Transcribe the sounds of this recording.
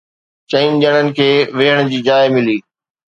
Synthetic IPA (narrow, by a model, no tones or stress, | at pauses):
t͡ɕɐɪnʄəɽ̃ənɪ̆kʰeːʋeːɦəɽ̃d͡ʑiːd͡ʑaːɪmɪliː